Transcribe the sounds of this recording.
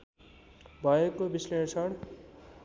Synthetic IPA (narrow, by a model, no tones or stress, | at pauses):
bʱʌekobislesʰʌɽ